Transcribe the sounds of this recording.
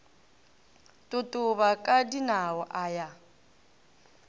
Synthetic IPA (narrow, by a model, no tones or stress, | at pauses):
tʼotʼoβakʼadinawɔʔaːja